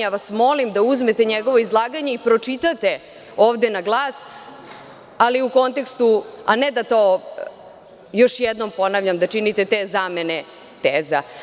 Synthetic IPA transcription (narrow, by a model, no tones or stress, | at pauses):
aʋasmo̞limd̪auzme̞t̪eɲeɡo̞ʋo̞izlˠaːɡaɲe̞ipɾo̞t͡ʂit̪at̪e̞ | o̞ːʋd̪enaɡlˠaːs | aliuko̞nt̪e̞kst̪ua̰ned̪at̪oː | jo̞ʃjɛd̪no̞mpo̞naʋʎamd̪at͡ʃinit̪e̞t̪eːzamene | t̪eːza